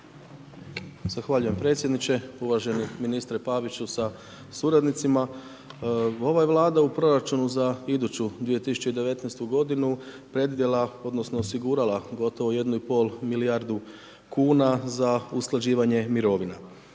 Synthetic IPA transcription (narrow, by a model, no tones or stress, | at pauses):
z̥axʋaʎuje̞mpɾe̞t̪sʲje̞d̪nit͡ɕe̞uʋaʒe̞niminist̪ɾepaʋit͡ɕusa | suɾad̪nit̪sima | o̞ʋajeʋlˠaːd̪aupɾo̞ɾat͡ʃunuzaid̪ut͡ɕud̪ʋije̞t̪isu̥t͡ɕe̞id̪eʋe̞t̪nɛjst̪uɡo̞d̪inu | pɾe̞d̪ijelao̞d̪no̞sno̞ːsiɡuːɾalˠaɡo̞t̪o̞ʋoje̞d̪nuipo̞lˠmilijaɾd̪u | kuːnazausklad͡ʑiːʋaɲe̞miɾo̞ʋina